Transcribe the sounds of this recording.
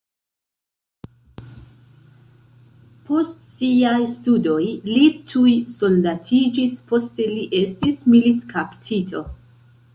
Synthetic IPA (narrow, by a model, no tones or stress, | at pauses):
pʰo̞stsiajstudo̞jlitʰujso̞ldatʰid͡ʒispo̞ste̞liʔe̞stismilitkʰaptʰitʰo̞